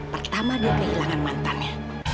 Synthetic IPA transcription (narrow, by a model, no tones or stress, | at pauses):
pərt̪amadiakəɦilaŋanmant̪anɲa